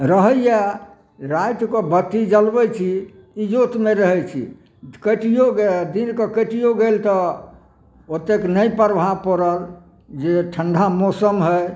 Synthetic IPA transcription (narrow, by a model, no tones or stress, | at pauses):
ɾəɦəja | ɾajt̪kɔbət̪id͡ʒəlbɛt͡ʃʰiː | d͡ʒot̪meɾəɦɛt͡ʃʰḭ | kəʈijoɡed̪inkɔkəʈijoɡelt̪ɔ | ot̪ːeknəipəɾbʱapɔɾəɾ | d͡ʒeʈʰəɳɖʱamosəmɦə